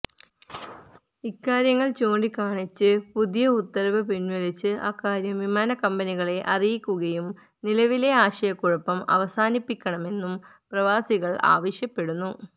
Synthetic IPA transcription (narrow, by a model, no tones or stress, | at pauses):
ikːaːɾjɐŋːɐɭt͡ɕo̞ːɳɖikaːɳit͡ɕːɨpuðijɐut̪ːɐɾɐʋɐpinʋɐlit͡ɕːɨʔa̰ːkːaːɾjɐmʋimaːnɐkɐmbɐniɣɐɭe̞ʔɐrijikʲːuɣɐjum | nilɐʋile̞aːɕɐjɐkːuɻɐpːɐmɐ̰ʋɐsaːnipːikʲːɐɳɐme̞nːum | prɐʋaːsiɣɐɭa̰ːʋɐɕjɐpːe̞ɽunːu